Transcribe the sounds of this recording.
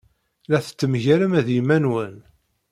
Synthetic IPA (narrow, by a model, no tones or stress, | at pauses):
læθə̥t͡sːəmʝæɾəmæðjimænwən